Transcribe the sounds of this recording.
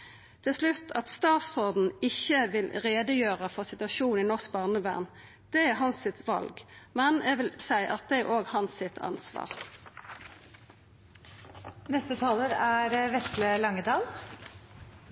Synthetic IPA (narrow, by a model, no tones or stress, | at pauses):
t̪ʰɪlslʉt̪ːʰɑt̪st̪ɑːt̪sɔʁd̪n̩ɪçəʋɪlʁeːd̪əjøːʁəfɔʁsɪt̪ʉɑʃuːn̩ɪnɔʁsk̚bɑːʁnəbæ̰ːʁn | d̪̥ɛæʁɦɑnsɪt̪ʰʋɑ̰lɡmɛnɛʋɪlsæɪʔɑt̪̚d̪ɛæʁʔoːɡhɑnsɪt̪ʰɑ̰nsʋɑ̰ːʁ | nɛst̪ət̪ʰɑːləɾæɾʋɛsləlɑŋːəd̪ɑːl